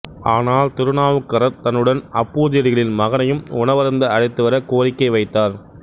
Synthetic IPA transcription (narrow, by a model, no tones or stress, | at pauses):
aːnaːlt̪ɪɾɯnaːʋɯkːɐɾɐɾt̪ɐnːɯɽɐnɐpːuːðɪjɐɽɪɣɐɭɪnmɐɣɐnɐjɯmʊnɐʋɐɾɐnd̪ɐɐɽɐɪt̪ːɯʋɐɾɐkoːɾɪkːɐɪʋɐɪt̪ːaːɾ